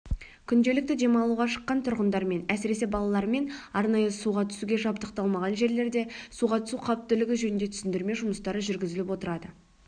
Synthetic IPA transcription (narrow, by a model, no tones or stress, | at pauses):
kʲʰʏnd̪e̞lɪk̚t̪ɪd̪e̞mɑlˠuʁɑʃə̥qːɑnt̪ʰʊɾʁənd̪ɑɾme̞næsɪɾe̞se̞bɑlˠɑlˠɑɾme̞nɑɾnɑjəsuʁɑt̪ʰʏ̥suɡʲe̞ʒɑp̚t̪əqt̪ɑlˠmɑʁɑnʒe̞ɾle̞ɾd̪e̞suʁɑt̪ʰʏsuqʰɑp̚t̪ːʏlɪɡʲɪʒɵnɪnd̪e̞t̪ʰʏ̥sɪnd̪ɪɾme̞ʒʊməst̪ɑɾəʒʏɾɡʲɪzɪlɪpwo̞t̪əɾɑd̪ə